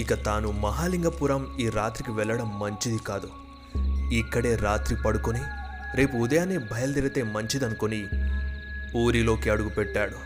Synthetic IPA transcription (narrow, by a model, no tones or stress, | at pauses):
ikɐt̪aːnumɐɦaːliŋɡɐpuːɾɐmiːɾaːt̪ɾikiʋɛɭːɐɽɐmːɐɲt͡ʃid̪ikaːd̪u | ikːɐɽe̞ːɾaːt̪ɾipɐɽukoniɾe̞ːpuːd̪ɐjaːneːbʱɐjɐld̪iɾɐt̪e̞ːmɐɲt͡ʃid̪ɐnukoni | uːɾilo̞ːkiɐɽuɡupɛʈːaːɽu